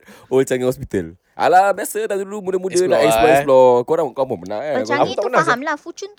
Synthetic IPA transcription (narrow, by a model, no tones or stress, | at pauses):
ot͡ʃaŋəŋhɔspit̪əl | ʔa̰labasədaduulumudəmudəlaɛsaslɔkoɾaəkamɔmənaat̪ənaamlafut͡ʃunt̪